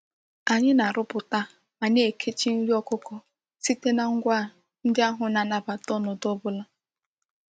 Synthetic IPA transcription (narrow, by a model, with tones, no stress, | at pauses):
a˨ɲɪ˦na˨ɾʊ˦pʊ˨ta˦ | ma˨ne˨kʰe˦t͡ʃi˦n̩˦ɾi˦ɔ˦kʊ˦kɔ˨ | si˦te˦na˨ŋ̩˦ɡʷa˦˨ | n̩˦dɪ˦a˦ɦʊ˨na˨na˨ba˨tɔ˦nʊ˨to˦bʊ˦la˦